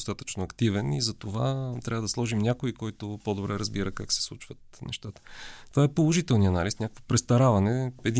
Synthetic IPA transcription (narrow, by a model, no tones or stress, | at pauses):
st̪at̪ə̥t͡ʃnʊɐkt̪ivɛnḭzɐt̪ova̰t̪ɾʲavəd̪ɐslˠɔʒimnʲakʊikɔjt̪ʊpod̪obɾɛɾəzbiɾəkaksɛ̥slˠut͡ʃvət̪̚nɛ̰ʃt̪at̪ə̥t̪ovaɛpolˠoʒit̪ɛlˠniɐnalisnʲakə̥kvopɾɛst̪ɐɾavɐnɛɛd̪i